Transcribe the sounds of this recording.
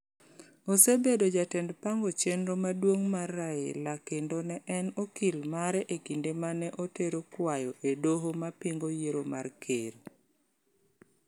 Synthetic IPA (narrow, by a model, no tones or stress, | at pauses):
osebedod͡ʒatɛndpaŋɡot͡ʃenɾomadwoŋmaraḛlakendonɛʔɛnokilmaɾɛʔekindemanɛʔoteɾokwajɔʔedoɦomapiŋɡojeɾoma̰rkʰeɾ